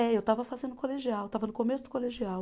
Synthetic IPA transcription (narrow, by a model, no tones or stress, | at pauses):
ɛewt̪avɐfazẽnd̪ʊkoleʒiawet̪avɐnʊkomesʊd̪ʊkoleʒiaw